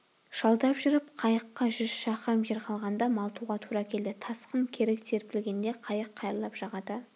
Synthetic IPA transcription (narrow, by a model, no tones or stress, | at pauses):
ʒ̥ɑlˠd̪ɑpʒʏɾɪpqʰɑjəqːɑʒʏzʃɑqmʒeɾqʰɑlˠʁɑnd̪ɑmɑlˠt̪ʰuʁɑt̪ʰuɾɑkʲʰe̞ld̪ɪt̪ʰɑsqəŋkʲʰe̞ɾɪkt̪ʰe̞ɾpɪlɡʲe̞nd̪e̞qʰɑjəqʰːɑjɾlˠɑpʒ̥ɑʁɑd̪ə